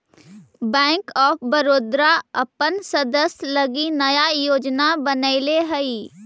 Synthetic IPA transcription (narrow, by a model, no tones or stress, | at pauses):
bɛ̃ːŋkɔːpbəɾoːd̪ɾaɐpənsɐd̪əslɐɡinɐjajoːd͡ʒnabənəɪleɦɐiː